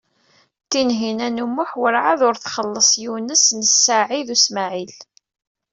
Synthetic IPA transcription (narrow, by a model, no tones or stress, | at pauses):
t̪ːinɦinænumːʊħwəɾʕaðʊɾθχəlːəsˤjinəsnəsːaʕiðusmaʕil